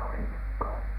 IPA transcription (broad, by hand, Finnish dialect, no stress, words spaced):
oli nyk ko